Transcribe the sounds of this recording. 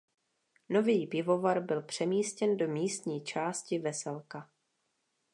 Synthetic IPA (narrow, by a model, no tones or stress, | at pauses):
no̞viːpɪvo̞vaɾbɪlpr̝̥ɛmiːscɛndo̞miːst̪ɲiːt͡ʃaːscɪvɛsɛlka